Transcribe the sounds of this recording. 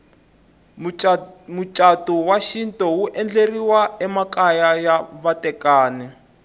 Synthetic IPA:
mut͡ʃʼatɔwaʃintɔwuʔɛnd͡ɮeriwaɛmakajajaβatɛkaːnɛ

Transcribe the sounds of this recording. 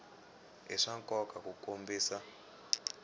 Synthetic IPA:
ɦiʂaŋkʼɔkʰʼakukombiːsa

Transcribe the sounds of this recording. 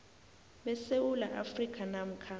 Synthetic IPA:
ɓɛsewula̰ʔafrikʰʼanam̩kʰa

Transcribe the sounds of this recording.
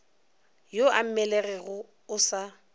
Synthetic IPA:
joam̩mɛleɣɛɣʊ | ʊsa

